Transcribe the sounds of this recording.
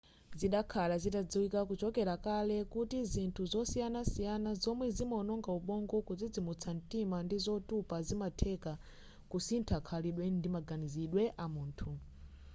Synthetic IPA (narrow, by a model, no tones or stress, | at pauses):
ziɗakʰalazitad͡ziwikakut͡ʃɔkɛɾakalɛkutizintʰuzɔsijanasijanazɔmwɛzimɔnɔŋɡauɓɔŋɡɔkud͡zid͡zimut͡sʰan̩timandizɔtupazimatʰɛka | kusintʰakʰaliɗwɛndimaɡaniziɗwɛʔamuːntʰu